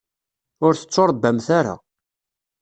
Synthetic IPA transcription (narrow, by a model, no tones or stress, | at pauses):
ʊɾθə̥t͡sːoɾˤbːəmθaɾa̰